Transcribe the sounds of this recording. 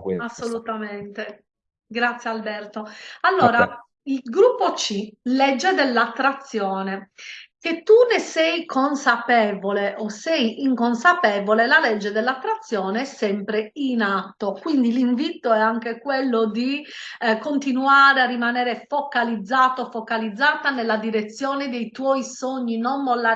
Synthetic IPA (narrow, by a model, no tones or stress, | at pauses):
kasːolut̪amɛnt̪e | ɡɾat̪sːjealbɛrt̪oalːɔːɾa | ilɡɾupːot͡ʃilɛd͡ʒːed̪ɛlːat̪ːɾat̪sːjɔːnek̟et̪ːunesɛjkʰonsapɛːvoleʔɔsɛjiŋkonsapɛːvolelalɛd͡ʒːed̪elːat̪ːɾat̪sːjɔːneɛsɛmpɾeinat̪ːokwind̪iliɱvit̪oɛaŋkekwelːod̪ikont̪inuaːɾearːimanɛːɾefokalid̪zːaːt̪ofɔkalid̪zːaːt̪anelːad̪iɾet̪sːjɔːned̪ejt̪wɔisoɲːinonmolːa